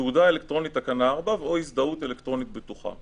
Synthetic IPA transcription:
ud̪aelekt̪ʁo̞nit̪akanaːʁbavo̞isd̪aut̪elekt̪ʁo̞nit̪̚bet̪uχa̰

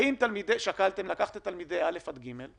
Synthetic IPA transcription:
imt̪almid̪eʃakalt̪emlakaχt̪et̪almid̪ejalefad̪ɡimel

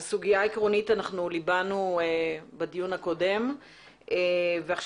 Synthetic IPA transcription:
suɡijaikʁo̞nitanaχnulibanuebadijunhako̞de̞m | eveaχʃ

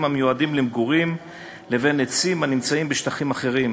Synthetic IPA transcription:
mamejuadimlemɡuʁim | levenet͡simanimt͡saimbeʃt̪aχimaχe̞ʁim

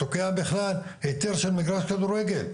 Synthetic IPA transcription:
tokiabeχlal | het̪eɾʃelmiɡɾaʃkad̪uɾeɡel

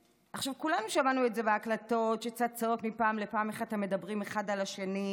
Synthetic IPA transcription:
ʔaχʃavkulanuʃamanuetzeveaklato̞tʃekt͡sad̪̚t͡sao̞tmipaːmlepaːmeχadteme̞dabʁimeχadalaʃeni

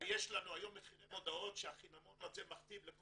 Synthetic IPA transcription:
jeʃlanuajo̞mːeχinemo̞d̪ao̞tʃeaχinamonadzemaχt̪imlek

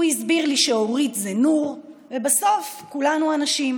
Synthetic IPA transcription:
uizbiʁliʃeoʁitzenuʁ | vebaso̞fkulanuanaʃim

